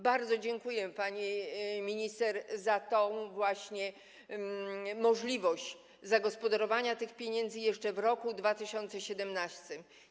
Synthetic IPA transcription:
baɾd̪zɔd͡ʑɛŋkujɛpaɲɛmʲiɲist̪ɛɾzat̪ɔ̃w̃vwaɕɲɛ | mɔʐlʲivɔɕt͡ɕ | zaɡɔspɔd̪aɾɔvaɲat̪ɘxpʲjeɲɛnd̪zɘjɛʂt͡ʂɛvɾɔkud̪vat̪ɘɕɔnt̪sɛɕɛd̪ɛmnast̪ɨm

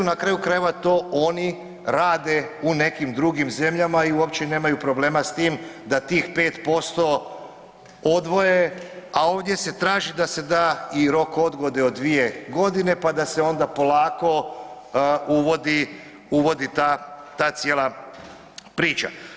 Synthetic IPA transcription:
unakɾaːjukɾajeʋat̪o̞ːʔo̞ni | ɾaːd̪e̞une̞kimd̪ɾuɡimze̞mʎamaiuo̞pt͡ʃene̞ːmajupɾo̞ble̞ːmast̪iːmd̪at̪iːxpe̞ːt̪po̞st̪o̞ | od̪ʋo̞je̞ao̞ːʋd̪je̞se̞t̪ɾaːʒid̪ase̞d̪aiɾo̞ko̞d̪ɡo̞d̪eod̪ːʋije̞ɡo̞d̪ine̞pad̪ase̞o̞nd̪apo̞lˠaːko̞ | uʋod̪i | uʋo̞d̪it̪at̪aːt̪sjeːla | pɾiːt͡ʃa̰

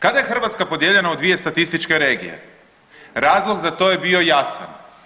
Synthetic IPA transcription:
kad̪ajexr̩ʋat̪skapo̞d̪jeʎe̞naud̪ʋije̞st̪at̪ist̪it͡ʃke̞ɾe̞ːɡḭjḛ | ɾaːzlˠo̞ɡzat̪o̞ːje̞bio̞jasa̰n

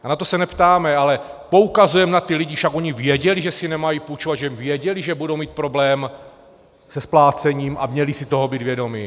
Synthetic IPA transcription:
anat̪o̞sɛnɛpt̪aːmɛalɛ | po̞ukazujɛmnat̪ɪlɪɟɪfʃakʔoɲɪvjɛɟɛliʒɛsɪnɛmajiːpuːt͡ʃovat̪ʒɛmvjɛɟɛlɪʒɛbudo̞wmiːt̪̚pɾo̞blɛːm | sɛsplaːt͡sɛɲiːmʔa̰mɲɛlisɪt̪o̞ɦobiːd̪vjɛdo̞mi

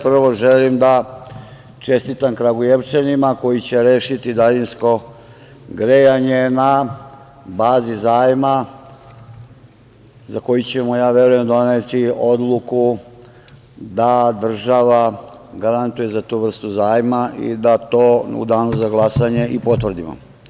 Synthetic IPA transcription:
pr̩ʋo̞ʒelimd̪a | t͡ʃe̞st̪it̪ankɾaɡojeʋt͡ʃenimako̞jit͡ɕe̞ɾeːʃit̪id̪alinsko̞ | ɡɾejaɲena | baːzizaːjma | zako̞jut͡ɕemojaːʋe̞ɾuje̞md̪o̞net̪io̞d̪lˠuku | d̪ad̪r̩ʒaʋaɡaɾant̪ujezat̪uʋr̩st̪uzaːjmaʔḭd̪at̪o̞ːṵd̪aːnozaɡlˠasaɲe̞ʔipo̞t̪ʋr̩d̪imo̰

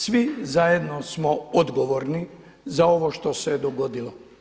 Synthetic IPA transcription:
sʋizajed̪nosmood̪ɡoʋoɾni | zao̞ʋoʃt̪oseed̪oɡo̞d̪ilo

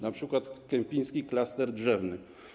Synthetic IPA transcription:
napʂɘkwat̪kɛmʲpʲijskʲiklast̪ɛɾdʐɛvnɘ

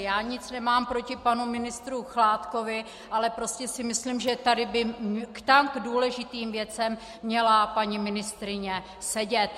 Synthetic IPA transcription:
jaːɲɪt͡snɛmaːmpɾo̞cɪpanumɪnɪst̪ɾuxlaːt̪ko̞vɪ | ʔalɛpɾo̞scɛsɪmɪslimʒɛt̪adɪbɪkt̪amɡduːlɛʒɪt̪iːmvjɛt͡sɛmː | ɲɛlapaɲimɪnɪst̪ɾɪɲɛ | sɛɟɛt̪̚

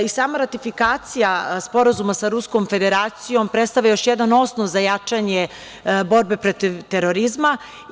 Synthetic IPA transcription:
isaːmaɾat̪ifikaːt̪sijaspo̞ɾazumasaɾusko̞mfe̞d̪eɾaːt̪sijo̞mpɾet̪st̪aʋlʎajo̞ʃjed̪ano̞snoʋzajat͡ʂaɲe | bo̞ɾbe̞pɾot̪iʋt̪eɾo̞ɾizma

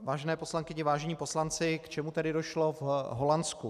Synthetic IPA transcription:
vaːʒɛnɛːpo̞slaŋkɪɲɪvaːʒɛɲiːpo̞slant͡sɪkt͡ʃɛmut̪ɛdɪdo̞ʃlo̞vɦo̞lansku

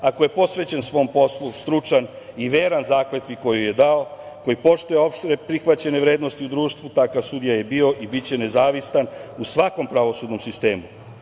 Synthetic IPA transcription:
ako̞je̞po̞sʋe̞t͡ɕe̞nsʋo̞ːmpo̞slˠust̪ɾut͡ʂan | iʋeːɾanzaːkle̞t̪ʋiko̞juje̞d̪ao | ko̞jipo̞ʃt̪uje̞o̞pʃt̪ɾepɾixʋat͡ɕe̞ne̞ʋɾe̞ːd̪nost̪iud̪ɾuːʃt̪ʋut̪akasud̪ijaje̞bio̞ʔibit͡ɕe̞ne̞zaːʋisanusʋako̞mpɾaʋo̞sud̪no̞msist̪e̞ːmu

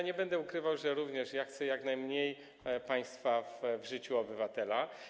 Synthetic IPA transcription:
ɲɛbɛnd̪ɛukɾɘvawʐɛɾuvɲɛʂjaxt̪sɛjaɡnajmɲej | paj̃st̪favvʐɘt͡ɕuɔbɘvat̪ɛla

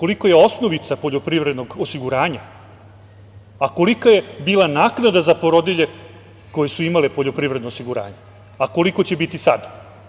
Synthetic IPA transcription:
ko̞likoje̞o̞sno̞ʋit̪sapo̞ʎo̞pɾivɾed̪no̞ɡosiɡuɾaːɲa | ako̞likaje̞biːlˠanaːknad̪azapo̞ɾod̪iʎe̞ | ko̞jesuimalepo̞ʎo̞pɾiʋɾe̞d̪noːsiɡuɾa̰ːɲa | ako̞liko̞t͡ɕe̞bit̪isa̰d̪

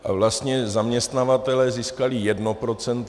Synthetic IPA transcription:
ʔa̰vlast̪ɲɛzamɲɛst̪navat̪ɛlɛːziːskalɪjɛdno̞pɾo̞t͡sɛnt̪

